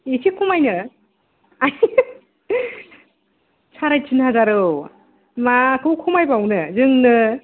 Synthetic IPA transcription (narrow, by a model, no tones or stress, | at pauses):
esʰikʰumajnɯ | aj | sʰaɾajt͡ʃʰɯnhazaɾɯw | makʰɯwkʰumajbawnɯzɯŋnɯ